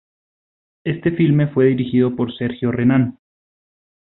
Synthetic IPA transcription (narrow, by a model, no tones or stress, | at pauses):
e̞st̪e̞filme̞fwe̞ðiɾixiðo̞po̞ɾse̞ɾxjo̞renan